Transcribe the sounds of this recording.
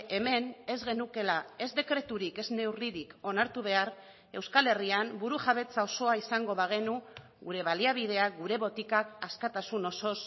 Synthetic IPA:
e̞me̞ne̞zɣe̞nuke̞lae̞zd̪e̞kɾe̞t̪uɾike̞zne̞wriɾiko̞naɾt̪uβ̞e̞aɾ | e̞wskale̞riambuɾuʝaβ̞e̞t͡sao̞so̞aisaŋɡo̞βaɣ̞e̞nu | ɣuɾe̞β̞aliaβ̞ið̞e̞aɡuɾe̞βo̞t̪ikakaskat̪asuno̞so̞s

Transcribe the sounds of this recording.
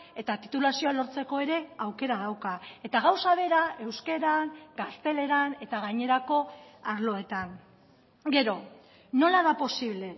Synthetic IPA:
e̞t̪at̪it̪ulasio̞alo̞ɾt͡se̞ko̞e̞ɾe̞awke̞ɾaðawkae̞t̪aɣawsaβe̞ɾae̞wske̞ɾaŋɡast̪e̞le̞ɾane̞t̪aɣ̞aɲe̞ɾako̞aɾlo̞e̞t̪aŋ | ɡe̞ɾo̞ | no̞laðapo̞siβle̞

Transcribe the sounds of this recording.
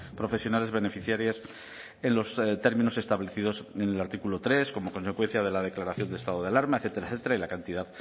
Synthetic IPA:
pɾo̞fe̞sjo̞nale̞zβe̞ne̞fiθjaɾjes | enlo̞st̪e̞ɾmĩno̞se̞st̪aβle̞θiðo̞senelaɾt̪ikulo̞t̪ɾe̞sko̞mo̞ko̞nse̞kwe̞n̟θjað̞e̞laðe̞klaɾaθjo̞nd̪lest̪aðoð̞ealaɾmaeθet̪e̞ɾaθet̪eɾailakant̪iðað

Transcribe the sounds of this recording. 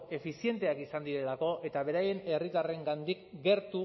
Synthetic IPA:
e̞fisie̞nt̪e̞akisand̪iɾe̞lako̞ʔe̞t̪aβe̞ɾaje̞ne̞rit̪are̞ŋɡand̪ikɡe̞ɾt̪u

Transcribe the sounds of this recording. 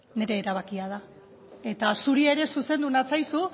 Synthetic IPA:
ne̞ɾe̞ːɾaβ̞akiað̞a | e̞t̪asuɾie̞ɾe̞suse̞nd̪unat͡sajsu

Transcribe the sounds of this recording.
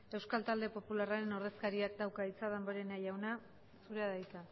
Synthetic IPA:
e̞wskalt̪ald̪e̞po̞pularaɾe̞no̞ɾðe̞skaɾiakd̪awkait͡saðamboɾenajawna | suɾeaðajt͡sa

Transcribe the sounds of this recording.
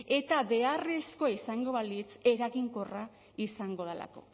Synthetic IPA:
e̞t̪aβe̞are̞sko̞isaŋɡo̞βalit͡se̞ɾaɣiŋkora | isaŋɡo̞ðela̰ko̞̰

